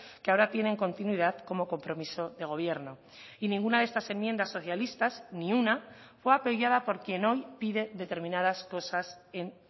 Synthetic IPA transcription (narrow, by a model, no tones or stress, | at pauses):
keao̞ɾat̪je̞ne̞ŋko̞nt̪inwiðaðko̞mo̞ko̞mpɾo̞miso̞ðe̞ɣ̞o̞β̞je̞ɾno̞ | inĩŋɡunaðest̪ase̞mjend̪asːoθjalist̪aznĩuna | fwe̞apojaðapo̞ɾkje̞no̞jpiðe̞ðet̪e̞ɾmĩnað̞asko̞sase̞n